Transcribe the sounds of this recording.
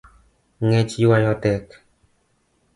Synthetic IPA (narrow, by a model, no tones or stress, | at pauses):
ŋet͡ʃwajɔtɛk